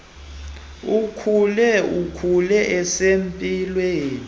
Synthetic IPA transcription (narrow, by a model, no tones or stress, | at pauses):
ukʰulɛukʰulɛʔɛsempʼilweːni